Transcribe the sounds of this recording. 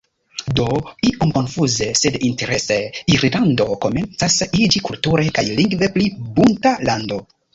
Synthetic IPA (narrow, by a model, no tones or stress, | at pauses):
do̞iʔomko̞nfuze̞se̞dinte̞ɾe̞se̞iɾlando̞ko̞me̞nt͡sasid͡ʒikultuɾe̞kajliŋɡve̞plibuntalando̞